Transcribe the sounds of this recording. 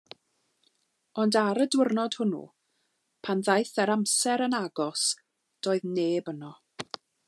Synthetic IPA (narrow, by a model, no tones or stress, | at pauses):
ɔndaɾədwɪrnɔd̥hʊnṵ | pʰanðajθɛɾamsɛɾənaɡɔs | d̥oːɨðneːbənɔ